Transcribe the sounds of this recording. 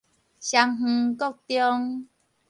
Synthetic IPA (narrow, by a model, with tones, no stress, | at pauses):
ɕja˧ŋɦ̩˧kɔ˦˨k̚t̪jɔ˦ŋ